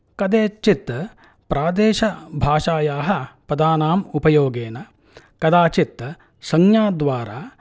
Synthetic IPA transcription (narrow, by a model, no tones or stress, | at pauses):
kɐd̪eːt͡ʃit̪ːɐ | pɾaːd̪eːʃɐbʱaːʂaːjaːɦɐ̆pɐd̪aːnaːmupɐjoːɡeːnɐ | kɐd̪aːt͡ʃit̪ːɐ | sɐŋjaːd̪ʋaːɾaː